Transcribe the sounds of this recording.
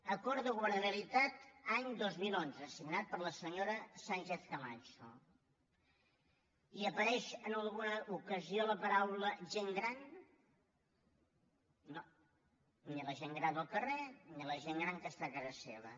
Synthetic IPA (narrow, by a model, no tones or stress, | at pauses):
əkɔɾðəɣwəɾðəɾəlit̪at̪aɲd̪ozmilˠonzəːsiɡnat̪̚pəɾləsəɲoɾəsant͡ʃeθkəmat͡ʃo̰ | iəpəɾɛʃənəlˠɣunəʔukəzioləpəɾawləʒeŋɡɾan | no | niləʒeŋɡɾand̪əlˠkəreniləʒeŋɡɾaŋkəst̪akazəsḛβ̞ə̰